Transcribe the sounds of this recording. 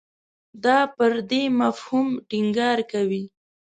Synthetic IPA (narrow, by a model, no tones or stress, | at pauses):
d̪ɑpəɾd̪emafhumʈiŋɡɑɾkawi